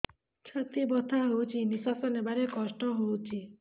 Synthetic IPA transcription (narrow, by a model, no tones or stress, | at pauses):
t͡ʃʰət̪ibɔt̪ʰaɦowt͡ʃʰinisasɔnebaɾekɔsʈɔɦowt͡ʃʰi